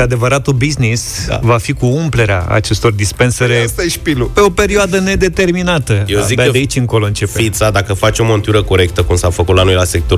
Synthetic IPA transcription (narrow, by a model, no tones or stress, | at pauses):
ad̪e̞vəɾat̪obiznisvafikuumple̞ɾea̰a̰t͡ʃe̞st̪o̞rd̪ispe̞nsəɾest̪aʃpilupe̞o̞pe̞ɾioad̪əne̞d̪e̞t̪e̞rminat̪əjedzid̪aeit͡ʃʲɨŋko̞lo̞ɨnt͡ʃe̞pefit̪sad̪akəfat͡ʃo̞mo̞nt̪uɾəko̞ɾe̞k̚t̪əkumsafəkut̪lanojlasek̚t̪o